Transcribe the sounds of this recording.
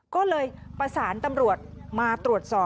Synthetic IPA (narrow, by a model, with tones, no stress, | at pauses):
kɔː˥˩lɤː˧jpɾa˧saː˩˦nt̪a˧mɾu˨˩ət̪̚maː˧t̪ɾu˨˩ət̪̚sɔː˨˩